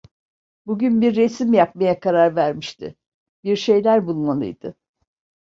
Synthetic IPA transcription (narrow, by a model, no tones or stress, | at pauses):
buɟynbiɾːesimjap̚majakʰaɾaɾvæɾmiʃt̪ʰɪ̰ | biɾʃe̞jlʲæɾbulˠmalˠɯ̰jd̪̥ɯ